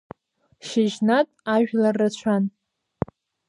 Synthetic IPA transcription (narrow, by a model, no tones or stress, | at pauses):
ʃɪʒnatʼaʒᶣlarːat͡ɕʷʰan